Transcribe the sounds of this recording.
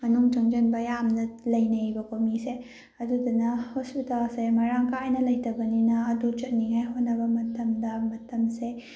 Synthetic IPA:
mɐnuŋt͡ʃɐŋd͡ʒɐnbɐjamnɐlɐjnɐjbɐkomise | ɐdudɐnɐhospitalsemɐɾaŋkajnɐlɐjtʰɐbɐninɐːdut͡ʃɐt̚niŋajɦotnɐbɐmɐtɐmdɐmɐtɐmse

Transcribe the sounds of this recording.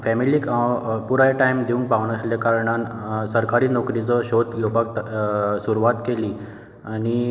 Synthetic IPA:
fɛmilikapuɾajʈajmd̪eũŋk̚paʋnəsljakaɾɳansəɾkaɾiːnɔkɾit͡səɕot̪ɡʱepak̚ | suɾuʋat̪keliː | ani

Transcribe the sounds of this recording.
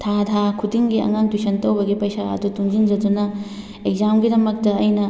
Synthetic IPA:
tʰadʰakʰutiŋɡiɐ̰ŋaŋtisɐntɐwbɐɡipɐjsaɐ̰dutuŋd͡ʒind͡ʒɐdunɐ | ek̚zamɡidɐmɐk̚tɐːjnɐ

